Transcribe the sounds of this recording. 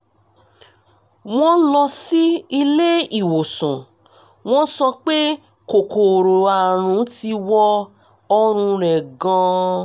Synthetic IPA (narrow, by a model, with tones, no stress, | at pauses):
w̃ɔ̃˦lɔ˧si˦i˧le˦i˨wo˨sũ˨ | w̃ɔ̃˦sɔ˧k͡pe˦ | ko˨ko˨ɾo˨a˨ɾ̃ũ˨˦ti˧wɔ˧ | ɔ˧ɾ̃ũ˧ɾ̃ɛ˨ɡã˧